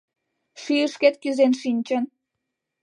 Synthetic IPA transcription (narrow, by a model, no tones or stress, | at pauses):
ʃyjəʃket̪̚kyzenʃinʲt͡ɕən